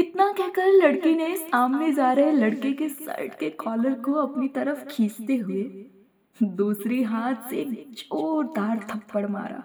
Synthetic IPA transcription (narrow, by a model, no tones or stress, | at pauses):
ɪt̪nakɛɦkɐɾlɐɽkineɪsaːmned͡ʒaːɾəɦɛlɐɽkekesɐ̰ɪʈkekɔːləɾkoɐpnit̪ɐɾəfkʰiːst̪eɦʊe | d̪uːsɾiɦaːt̪seːk̚d͡ʒoːɾd̪aːɾt̪ʰɐpːəɽma̰ːɾa̰ː